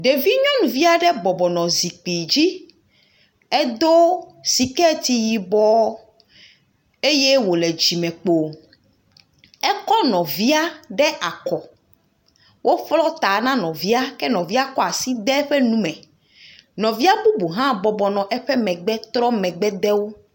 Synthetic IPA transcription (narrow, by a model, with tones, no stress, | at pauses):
ɖe˨vi˦ɲɔ̃˦nũ˨vi˦a˦˨ɖɛ˦bɔ˨bɔ˨nɔ̃˨zi˨k͡pi˨d͡ʑi˦ | ɛ˦d̪o˦si˨kɛ˦t̪i˨ji˨bɔ˦ | e˦je˦wo˨le˨d͡ʑi˨mɛ̃˨k͡po˨ | ɛ˦kɔ˦nɔ̃˨vi˦a˦ɖɛ˦ʔa˨kɔ˨ | wʔo˦flɔ˦t̪a˨nã˦nɔ̃˨vi˦a˦kɛ˦nɔ̃˨vi˦a˦kɔ˦a˨si˦d̪ɛ˦ɸɛ˦nũ˦mɛ̃˨ | nɔ̃˨vi˦a˦bu˦bu˨ɦã˦bɔ˨bɔ˨nɔ̃˨ʔɛ˦ɸɛ˦mɛ̃˨ɡ͡bɛ˦t̪ɾɔ˦mɛ̃˨ɡ͡bɛ˦d̪ɛ˦wo˦